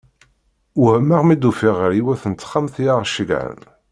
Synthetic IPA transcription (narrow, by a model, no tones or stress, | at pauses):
wæmaʁmid̪ufiʁəɾiwæθənət͡s̪ːχːamθjaʁʃəɡʕə̰n